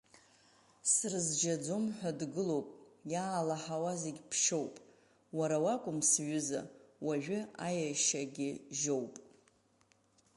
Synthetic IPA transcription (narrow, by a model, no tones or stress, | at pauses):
srɨzd͡ʒad͡zomħʷᶣadɡɨlo̞wpʼjaːlaħawazeɡʲpʰʃo̞wpʼ | waɾawakʷʼʊmsɥʏza̰waʒᶣʷʏajaʃaɡʲɪʒowpʼ